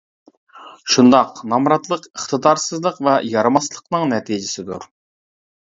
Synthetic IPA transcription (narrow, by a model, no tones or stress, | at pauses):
ʃund̪ɑqnɑmɾɑt̪lˠəqəχt̪əd̪ɑɾsɨzlˠəqvɛjɑɾɨmɑslˠəqnɨŋnɛt̪ʰid͡ʒɪsɪd̪uɾ